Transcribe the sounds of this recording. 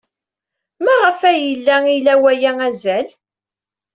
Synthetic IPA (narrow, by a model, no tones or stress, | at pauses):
mæʁəfæjəlːæilæwæjææzæl